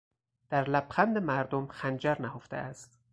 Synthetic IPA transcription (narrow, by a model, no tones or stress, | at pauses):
d̪̥æɾlæbxænd̪emæɾd̪omxænd͡ʒæɾnæɦoft̪ḛʔæst̪